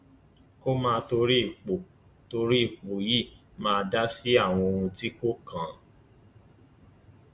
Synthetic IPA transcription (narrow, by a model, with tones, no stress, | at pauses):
ko˦mãː˧to˧ɾi˦i˦˨k͡po˨ | to˧ɾi˦˨k͡po˨ji˦˨ | mãː˧da˦si˦a˦˨w̃ɔ̃˧o˧ɾũ˧ti˦ko˦kʰã˨